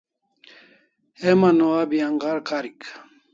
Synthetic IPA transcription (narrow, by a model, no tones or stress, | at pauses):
emanoabiaŋɡaɾkaɾik